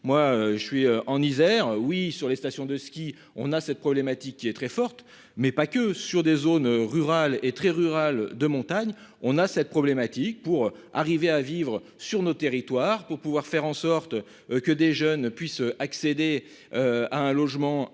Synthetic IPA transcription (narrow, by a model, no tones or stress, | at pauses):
mwaøʒəsɥiøʔɑ̃nizɛʁwisyʁlest̪asjɔ̃d̪əskʲi | ɔ̰̃nasɛt̪̚pχɔblɛmat̪ikʲːiɛt̪χɛfɔʁt̪ | mɛpakʲəsyʁd̪ezonøʁyʁalet̪χɛʁyʁald̪əmɔ̃t̪aɲ | ɔ̃nasɛt̪̚pχɔblɛmat̪ik̚puʁ | aʁiveavivʁə | syʁnot̪eʁit̪waːʁpuʁpuvwaʁfɛʁɑ̃sɔʁt̪ | kəd̪eʒœnpɥisøʔaksed̪e | øaɛ̃lɔʒmɑ̃